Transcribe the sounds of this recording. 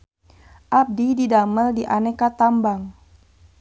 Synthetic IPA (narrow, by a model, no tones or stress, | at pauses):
ʔab̚dididaməldiʔanɛkat̪ambaŋ